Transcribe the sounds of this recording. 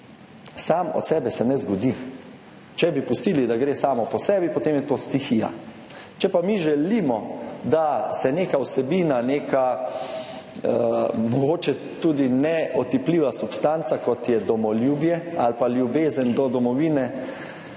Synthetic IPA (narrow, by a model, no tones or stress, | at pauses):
saːmɔ̰t̪sɛːbɛsɛnɛzɡɔd̪i | t͡ʃɛbipust̪iːlid̪aɡɾeːsaːmɔpɔsɛːbipɔt̪eːmjɛt̪oːst̪ixija̰ | t͡ʃɛpamiʒɛliːmɔd̪asɛneːkawsɛbiːnaneːka | mɔɡoːt͡ʃɛ | t̪uːd̪inɛɔt̪ipliːʋasupst̪ant̪sakɔt̪jɛd̪ɔmɔljuːbjɛalpaljubeːzənd̪ɔd̪ɔmɔʋiːnɛ